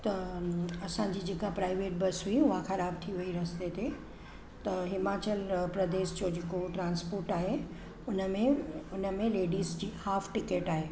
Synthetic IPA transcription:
t̪ɐɐsã̆d͡ʑiːd͡ʑeːkapɾaːɪʋeːʈ̚bɐsɦuiʊɦaxɐɾaːb̚t̪ʰiʋɐiɾɐst̪et̪e | t̪ɐɦɪmaːt͡ɕəlpɾɐd̪eːʃd͡ʑod͡ʑekoʈɾãːnspoːɾʈaːɦe | ʊnəmẽʊnəmẽleːɖiːzd͡ʑiːhaːfʈɪkeːʈaːɦeː

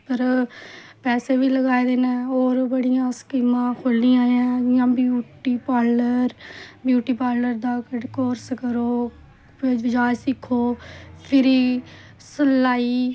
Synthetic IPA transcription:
pəɾ | pɛːseːbiːləɡaːed̪eːnɛ̃ːoːɾbəɽijãːskimãːkʰʊlːĩːãːãːjãːbjuːʈiːpaːləɾbjuːʈiːpaːləɾd̪aːkəɖkoːɾskəɾoː | ʋɪd͡ʒaːd͡ʒsɪkʰːoːpʰɪɾiː | səlaːiː

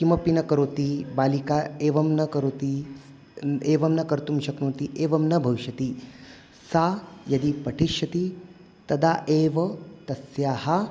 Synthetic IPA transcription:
kimɐpinɐkɐɾoːt̪ibaːlikaːeːʋɐmnɐkɐɾoːt̪i | eːʋɐmnɐkɐɾt̪umʃɐknõːt̪iʔeːʋɐmnɐbʱɐʋiʃɐt̪i | saːjɐd̪ipɐʈʰiʃjɐt̪i | t̪ɐd̪aːʔeːʋɐt̪ɐsjaːɦɐ

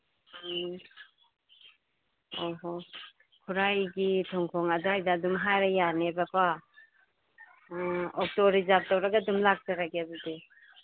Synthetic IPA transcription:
oɦo | kʰuɾajɡitʰɔŋkʰɔŋadajdaːdumɦajɾajanebakʰwa | ɔk̚tɔɾizap̚tawɾaɡadumlak̚saɾaɡeabudi

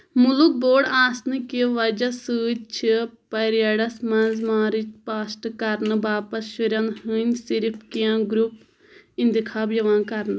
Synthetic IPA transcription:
muluk̚boːɖaːsnɨkiʋɐd͡ʒɐsɨːt͡ʃʰipɐɾjaɽɐsmɐ̃nzmãːɾit͡ʃpaːsʈkɐɾnɨbaːpɐsʃuɾɐnɦɨnʲsiɾpʰkijãːɡɾup | ĩnd̪ikʰaːbjɐʋãːnkɐɾn

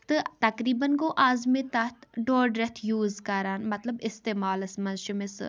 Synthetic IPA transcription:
t̪ɨt̪ɐkɾiːbɐnkoːʔaːzmet̪ɐt̪ʰɖoːɾɖɾɛt̪ʰjuːzkɐɾaːnmɐt̪lɐbɪst̪eːmaːlɐsmɐnzʃʊmesɨ̰

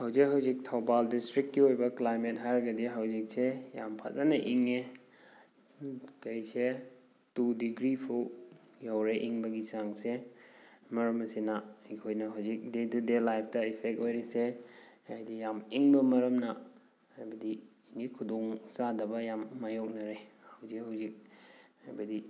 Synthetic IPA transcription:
hawzik̚ɦawzik̚tʰawbaldistɾikːiojbɐklajmet̚ɦaɾɡɐdiɦawzik̚sejampʰa̰zanɐʔiŋe | kɐjse | tudiɡɾipʰuw | jawɾeʔiŋbɐɡisaŋse | mɐɾɐmɐsinahikʰojnɐɦawzik̚detudelajpʰtɐipʰek̚tojɾeseajdijamiŋbɐmɐɾɐmna | hajbɐdiː | ŋikʰudɔŋsadɐbɐjamːajok̚nɐɾehawzikɦawzik̚ha̰jbɐdi

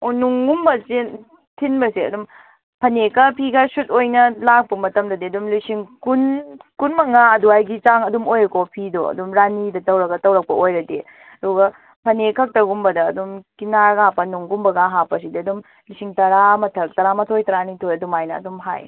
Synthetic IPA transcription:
unuŋɡumbɐse | tʰinbɐsiɐ̰dum | pʰɐnekɐpʰiɡɐsut̚ojnɐlak̚pɐmɐtɐmdɐdiɐdumlisiŋkunkunmɐŋaɐduajɡit͡ʃaŋɐdumojɾɐkopʰidoɐ̰dumɾanidɐtɐwɾɐɡɐtɐwɾɐk̚pɐojɾɐde | ɐɾuɡɐ | pʰɐnekʰɐk̚tɐɡumbɐdɐːdumkinaɡapɐnuŋɡumbɐɡaɦapɐs̬idiɐdum | lisiŋtɐɾamɐtʰɐk̚tɐɾamɐtʰojtɐɾanitʰojɐdumajnɐ̰ɐ̰dumɦa̰j

